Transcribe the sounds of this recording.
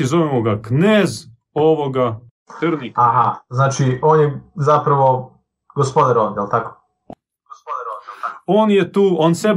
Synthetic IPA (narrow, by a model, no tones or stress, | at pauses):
izoʋemoɡakneːz | oʋoɡa | t̪əɾnikaɦaznaːt͡ʃioːnjezapɾaʋo | ɡ̥ospod̪aɾoʋd̪jelt̪ako̥ | ɡospod̪aɾooːnjet̪uːoːnseb